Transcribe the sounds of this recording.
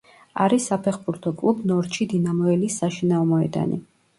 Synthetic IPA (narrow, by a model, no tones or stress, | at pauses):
a̰ɾisːapʰɛχbuɾt̪ʰɔkʼlˠubnɔɾʃid̪inamɔɛlisːaʃinaɔmɔɛ̰d̪a̰nḭ